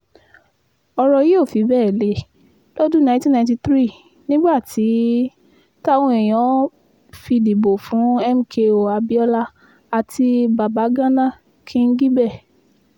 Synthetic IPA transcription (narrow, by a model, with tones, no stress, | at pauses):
ɔ˧ɾɔ˧je˦o˦˨fi˨˦bɛː˦˨le˨˦ | lo˦dũ˦˨nã˨˧˦tĩ˦nã˧˦ti˧t̪ɾi˦˨ | nĩ˦ɡ͡ba˦˨ti˨˦ | ta˦w̃ɔ̃˧e˨j̃ɔ̃˨˦ | fi˧di˨bo˨fũ˨˦ɛ˦m̩˦kʰe˧o˨a˧bi˦ɔ˦la˦ | a˧ti˧ba˨ba˨˦ɡã˦nã˦˨ | kʰĩ˦˧n̩˦ɡi˦bɛ˦˨